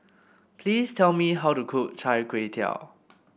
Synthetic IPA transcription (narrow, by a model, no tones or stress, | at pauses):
pʰlistʰɛlmiɦawtukʰuk̚t͡ʃʰajkwetʰja̰ʊ